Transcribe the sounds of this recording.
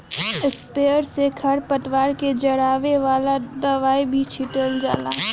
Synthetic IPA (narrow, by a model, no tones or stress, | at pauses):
ɪspeːəɾsekʰɐɾpət̪ʋaːɾked͡ʒɐɽaːʋeʋaːlad̪ɐʋaːibʱit͡ʃʰɪʈəld͡ʒa̰ːla̰ː